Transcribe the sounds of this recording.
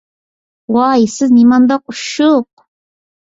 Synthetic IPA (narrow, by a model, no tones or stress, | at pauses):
wajsɨnɪmand̪ɑq̚ʊʃoq